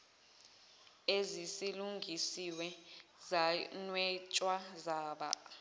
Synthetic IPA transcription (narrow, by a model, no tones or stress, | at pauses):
ezisiluŋɡʱisiwɛzanwɛt͡ʃʼwazaːɓa̰